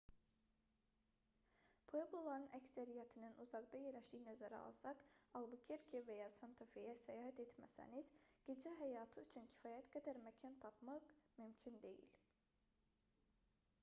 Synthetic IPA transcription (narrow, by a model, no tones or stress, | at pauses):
pʰoebolˠɑɾɯnʔæcsæɾijæt̪ʰininʔuzɑkd̪ɑjeɾlæʃiːnæzæɾɛ̰ɑ̰lˠsɑkɑlˠbucʰeɾcʰevejaːsɑnt̪ʰafejɛsɛjaːɦæt̪ɛt̪mæ̰sæ̰niz̥ɟ̥e̞d͡ʒɛɦæjaːt̪ʰɯyt͡ʃʰyncʰi̥faːjæt̪ɡad̪æɾmɛcʰant̪ʰɑpmɑkmymcʰynd̪e̞̰jḭlʲ